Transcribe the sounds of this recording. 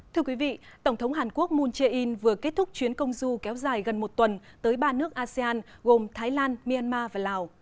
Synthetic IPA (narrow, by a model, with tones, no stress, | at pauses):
t̪ʰɨ˧əkwi˨˦vḭ˧˨ | t̪ə˧˩wŋ͡mt̪ʰə˨˦wŋ͡mɦaː˨˩nku˦˥ək̚mu˧nt͡ɕe˧ʔi˧nvɨ˨˩əke˦˥t̚t̪ʊ˦˥k̚t͡ɕwi˨˦ənkə˧wŋ͡mzu˧kɛ˨˦wzaː˨˩jɣə˨˩nmo˨˩t̚t̪wə˨˩nt̪əː˨˦jɓaː˧nɨ˦˥ək̚ʔaː˧sɛ˧aː˧n | ɣo˨˩mt̪ʰaː˨˦jlaː˧nmi˧ʔaː˧nmaː˧vaː˨˩laː˨˩w